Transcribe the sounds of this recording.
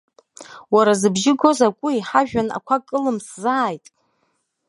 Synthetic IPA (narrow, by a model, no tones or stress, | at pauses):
waɾazɨbʒɪɡʷo̞zakʷʼʊiħaʒᶣana̰kʷʰakʼɨlɨmszaːjtʼ